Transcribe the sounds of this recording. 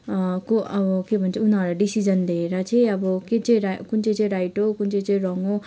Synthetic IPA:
koʔʌbʌkebʱʌnt͡sʰʌunʌɾaɖisid͡zʌnleeɾʌt͡sʌĩʌbʌket͡sʌĩɾkunt͡sʌ̃t͡sʌĩɾajʈokunt͡sʌj̃t͡sʌĩrʌŋo

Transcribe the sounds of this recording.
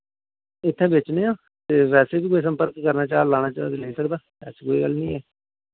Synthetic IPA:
ɪt̪ʰːɛ̃ːbeːt͡ʃnẽːãː | t̪eːʋɛːseːbiːkoːiːs̬ə̃mpəɾkːəɾnaːt͡ʃaːlaːnaːt͡ʃaːd̪iləiːsəkd̪aː | ɛ̰ːskoːiːɡəlnĩːɛː

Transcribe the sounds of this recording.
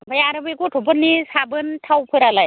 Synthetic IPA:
bʱajaɾɯbɯɡutʰupɯnːisabɯntʰawpʰɯɾalaj

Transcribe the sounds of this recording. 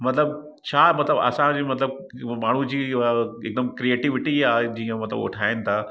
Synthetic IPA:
mɐt̪ləb̚ | t͡ɕʰaːmɐt̪ləbɐ̰sãd͡ʑiːmɐt̪ləb̚ | maːɳ̤ud͡ʑiːɪk̚d̪əmkɾieːʈɪʋɪʈiaɦed͡ʑiːə̃mɐt̪lə̰bʊ̰ʈʰaːɪnɪ̆t̪ʰaː

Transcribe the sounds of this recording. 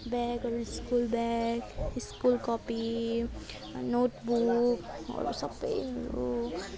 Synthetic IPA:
bɛɡɔɾuɪskulbɛɡɪskulkɔpi | noːʈbukɔ̰ɾṵsɐbə̰jɔɾu

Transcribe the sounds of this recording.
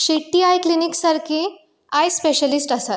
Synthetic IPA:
ɕeʈːiajkliniksaɾkʰe | ajspeɕəlisʈasat̪

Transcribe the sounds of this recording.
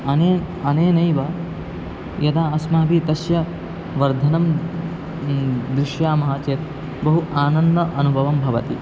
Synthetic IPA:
ɐne | ɐneːnɐjʋɐ | jɐd̪aːɐsmaːbit̪ɐsjɐ | ʋɐɾd̪ʱɐnɐm | d̪ɾɪʃjaːmɐɦaːt͡ʃeːt̪ | bɐɦuʔaːnɐnd̪ɐʔɐnubʱɐʋɐmbʱɐʋɐt̪i

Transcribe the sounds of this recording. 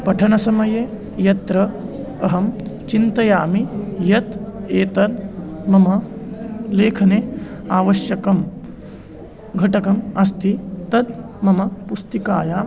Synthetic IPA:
pɐʈʰɐnɐsɐmɐjeː | jɐt̪ɾɐː | ɦɐmt͡ʃint̪ɐjaːmijɐt̪eːt̪ɐd̪mɐmɐ | leːkʰɐneːaːʋɐʃjɐkɐm | ɡʱɐʈɐkɐmɐst̪ʰit̪ɐd̪ | mɐmɐpust̪ikaːjaː

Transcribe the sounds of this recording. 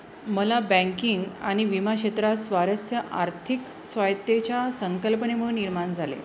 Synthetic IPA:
məlabæ̃ŋkiŋɡa̰ɽ̃iʋimaɕet̪ɾasʋaɾəsjəʔa̰ɾt̪ʰik | sʋajt̪ːet͡ɕjasəŋkəlpənem̤əɽunːiɾmand͡zʱalḛ

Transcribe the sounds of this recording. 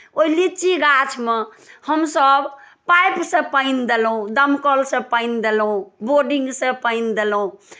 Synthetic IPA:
oilit͡ʃiɡat͡ʃʰme | həmsəb | pajpsẽpəɪnd̪elɦũd̪əmkəlsẽpəɪnd̪elũboɾɖĩŋɡsẽpəɪnd̪elũ

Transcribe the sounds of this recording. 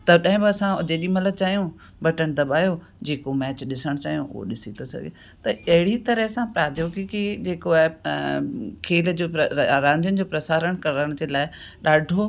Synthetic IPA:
t̪ɐbɗãːɦɪ̃bɪɐsãʊd͡ʑeːɗimɐlət͡ɕaːɦijũ | bɐʈəñɪd̪ɐɓaːjo | d͡ʑeːkomɛːt͡ɕɗɪsəɽ̃t͡ɕa̰ːɦijõ̰ʔʊ̰ɦo̰ɗɪsit̪ʰosɐ̰ɡḛ | t̪ɐɐɦɪɽit̪ɐɾəɦsãpɾaːd̪ʱjoːɡkid͡ʑeːkoaːɪ | kʰeːld͡ʑoːɾãːnd̪ʱjʊnɪ̆d͡ʑoːpɾɐsaːɾəɽ̃kɐɾəɽ̃d͡ʑeːlaːɪ | ɗaːɖʱo

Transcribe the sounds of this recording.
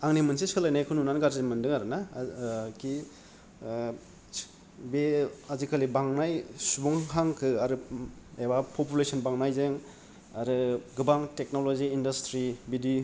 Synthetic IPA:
aŋnimɯnsiskʰɯlajnajkʰɯnunanɡaɾzemɯndɯŋaɾɯna | kʰi | beazikʰalibaŋnajsubɔŋɦaŋkʰɯaɾɯebapʰopulesɔnbaŋnajzeŋ | aɾɯɡɯbaŋtek̚noloziːndastɾibidi

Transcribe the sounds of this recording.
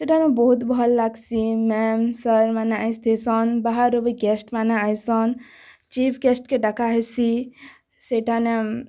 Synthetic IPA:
seʈʰanebɔɦut̪bɔɦɔllaɡsimɛmsəɾmanaajst̪ʰesɔnbaɦaɾoʋiɡesʈmanaajsɔn | t͡ʃipɡesʈkeɖɐkʰaɦesi | seʈʰane

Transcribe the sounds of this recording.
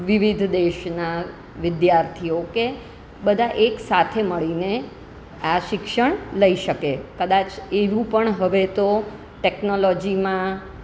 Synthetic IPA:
ʋɪʋid̪ʱd̪eʃna | ʋɪd̪jaɾt̪ʰioke | bəd̪ʱaʔeksat̪ʰeməɭine | aʃɪkʃəɳləiʃəkekəd̪at͡ʃeʋũpəɳɦəʋet̪o | ʈeknolɔd͡ʒimã

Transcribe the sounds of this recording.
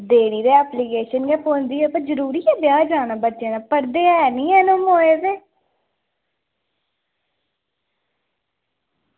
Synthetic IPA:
d̪eːɽiːd̪eːɛːplikeːʃənɡɛːpoːnd̪iːɛpəzəɾuːɾiːɛːbjaːd͡ʒaːnaːbətːʃẽːnaːpəɽd̪eːɛːnĩːɛːnomɦoːeːzeː

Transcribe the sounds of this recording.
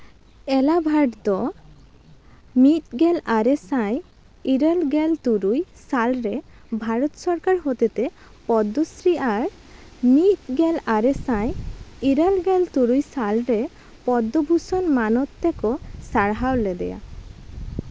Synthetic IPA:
ɛlabʱaɖd̪ɔ | mit̪̚ɡɛlaɾesãj | iɾelɡɛlt̪uɾujsalɾe | bʱaɾɔt̪sɔɾkaɾɦot̪et̪e | pɔd̪ɔsɾiʔaɾ | mit̪̚ɡelaɾɛsãjiɾəlɡɛlt̪uɾujsalɾe | pɔd̪ːɔbʱusɔnmanɔt̪ːɛkɔsaɽɦawlɛd̪ɛ̰ja̰

